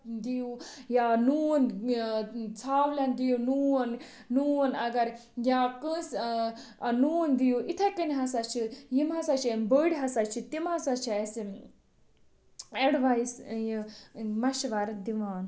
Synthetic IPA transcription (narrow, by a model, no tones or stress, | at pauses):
d̪ijujanuːn | t͡sʰaːwlʲand̪ijunuːn | nuːnɐɡɐɾ | jakə̃s | ɐnuːnd̪ijuʔit̪ʰɐkənɦɐsat͡ʃʰijimɦɐsat͡ʃʰibəɽʲɦɐsat͡ʃʰit̪imɦɐsat͡ʃʰiɐsi | eɽʋaisjimɐʃʋɐɾd̪iʋaːn